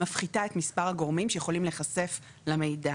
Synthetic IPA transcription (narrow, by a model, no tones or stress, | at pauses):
afχitae̞tmispaʁhaɡo̞ʁmimʃejeχo̞limle̞χasef | lame̞jda